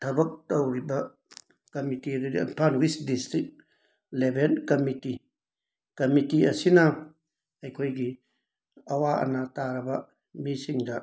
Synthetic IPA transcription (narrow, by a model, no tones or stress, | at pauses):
tʰabɐk̚tawɾiba | kɐmitididia̰npʰanwisdistɾit̚ | lɛbɛnkamiti | kɐmitiasina | ajkʰojɡi | awaʔa̰nataɾaba | misiŋda